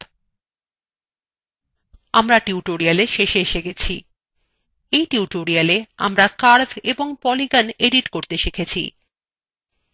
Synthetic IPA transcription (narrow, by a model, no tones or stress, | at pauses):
amɾaʈiuʈoɾialeʃeʃeeʃeɡɛt͡ɕʰḭ | ejʈiuʈoɾialea̰mɾakaɾbeboŋpɔliɡaneɖiʈkoɾt̪eʃekʰet͡ɕʰḭ